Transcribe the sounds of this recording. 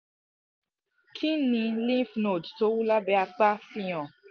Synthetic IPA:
kʰi˦nĩ˧lĩ˦fno˨dto˨˦wu˦la˦bɛ˧˦a˧k͡pa˦fĩ˧˦j̃ɔ̃˨

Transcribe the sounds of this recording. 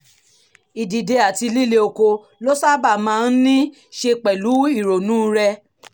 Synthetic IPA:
i˨di˨de˧a˨ti˧li˦˨le˧o˧ko˧ | lo˦sa˦ba˦˨mãː˦˧n̩˦nĩ˦ | ʃe˧k͡pɛ˨lu˨˦i˦˨ɾo˨nũ˨˦ɾɛ˧

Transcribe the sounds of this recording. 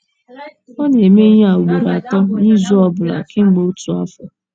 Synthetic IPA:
o˦ɲ˦e˨me˦ɦa˨o˨ɡ͡be˨ɾa˨tɔ˦ni˦zu˦ɔ˨bʊ˨la̰˨kɪ˦ŋ͡m̩˦ɡ͡bo˦u˦tu˨a̰˦fɔ˨

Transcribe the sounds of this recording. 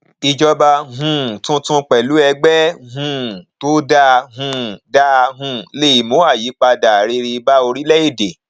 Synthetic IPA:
i˧d͡ʒɔ˧ba˧ɦũ˧˨tũ˦tũ˦k͡pɛ˨lu˨˦ɛ˧ɡ͡bɛ˦ɦũ˦˨to˦da˧ɦũ˧da˦˧ɦũ˧˨le˦i˦˨mõ˨˦a˦˨ji˨˦k͡pa˧da˨ɾe˧ɾi˧i˧ba˦o˧ɾi˦lɛ˦i˦˨de˨

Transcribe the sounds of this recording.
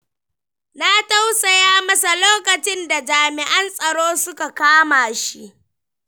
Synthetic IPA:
na˦ta˦wsa˨jaː˦mɐ˦sa˨loː˦kɐ˨t͡ʃɪ˦nda˨d͡ʒaː˨mɪ˨ʔɐ˦nsʼɐ˨ɽoː˦sʊ˦ka˨kaː˦maː˨ʃi˦ʔ

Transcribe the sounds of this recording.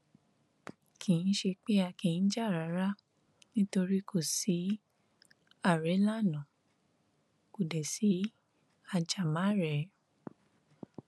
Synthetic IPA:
kʰĩ˨n̩˦ʃe˧k͡pe˦a˧kĩ˨n̩˦d͡ʒa˦˨ɾa˨˦ɾa˦ | nĩ˦to˧ɾi˦kʰo˦˨si˨˦ | a˦˨ɾe˨˦la˦˨nã˨ | ku˨dɛ˨si˨˦ | a˧d͡ʒa˨mã˨˦ɾɛ˨

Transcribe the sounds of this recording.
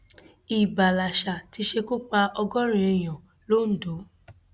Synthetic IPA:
i˨ba˨la˨ʃa˨ti˨˧˦ʃe˧ko˦k͡pa˧ʔɔ˧ɡɔ˦ɾ̃ĩ˧˦i˧˨j̃ɔ̃˨ | lo˦n̩˨˦do˨˦

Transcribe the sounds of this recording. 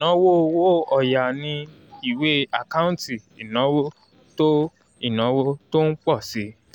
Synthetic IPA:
nɔ̃˨˦wo˦˧wo˦˨ɔ˨ja˨nĩ˧ | i˨we˨˦a˨ka˦ũ˦ti˨i˨nã˨˦wo˦ | to˦ | i˦˨nã˨˦wo˦to˦n̩˦k͡pɔ˦˨si˨˦

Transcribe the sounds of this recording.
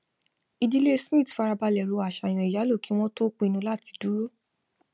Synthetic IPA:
i˧di˦le˦smĩ˦˨tfa˧ɾa˧ba˧lɛ˨ɾo˧a˨ʃa˧˨j̃ɔ̃˧˨i˨ja˨˦lo˦˨ki˦w̃ɔ̃˦to˦k͡pũ˧i˧nũ˧˦la˦˨ti̥˧du˨˦ɾo˦˨

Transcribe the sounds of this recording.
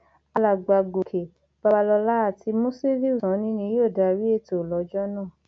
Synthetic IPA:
a˧la˨ɡ͡ba˨ɡo˨kʰe˨ | b̥a˧ba˧lɔ˧la˦a˦˨ti˧mõ˦se˦ɾi˦u˦˨sã˨˦nĩ˦nĩ˧˦jo˦˨da˧ɾi˦e˦˨to˨lɔ˨˦d͡ʒɔ˦nãː˦˨

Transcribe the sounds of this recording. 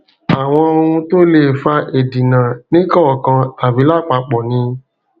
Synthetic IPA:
a˨w̃ɔ̃˧o˧ũ˧to˦le˦˨fa˧ʔe˨dĩ˨nã˨nĩ˦kɔ˦˨kã˧a˨vi˨˦la˦˨k͡pa˧k͡pɔ˨nĩ˧

